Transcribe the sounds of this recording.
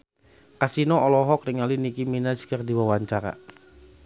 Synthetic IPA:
kasinɔʔɔlɔɦɔkriŋalinikiminaskərdiwawaɲt͡ʃaɾa̰

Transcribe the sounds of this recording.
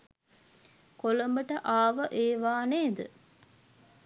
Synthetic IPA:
koləmbəʈəʔaːʋəʔeːʋaːneːd̪ə̰

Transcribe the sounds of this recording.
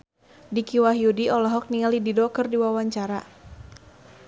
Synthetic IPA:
dikiwaɦiudiʔɔlɔɦɔk̚niŋalididɔkərdiwawaɲt͡ʃaɾa

